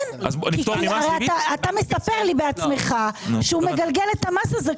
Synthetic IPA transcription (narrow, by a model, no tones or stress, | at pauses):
a̰ziaʁeat̪aːt̪ame̞sape̞ʁlibeat͡sme̞χaʃeume̞ɡalɡe̞let̪amasaze